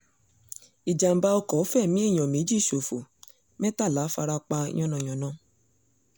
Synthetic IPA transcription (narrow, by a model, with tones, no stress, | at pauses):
i˨d͡ʒa˨m̩˨ba˧ɔ˧kɔ˨˦fɛ˦˨mĩ˦e˦˨j̃ɔ̃˨me˨˦d͡ʒi˦˨ʃo˨fo˨ | mɛ˦ta˦˨laː˨˦fa˧ɾa˧k͡pa˧ḭ̃˦ɔ̃˦nɔ̃˨j̃ɔ̃˨nãː˦˨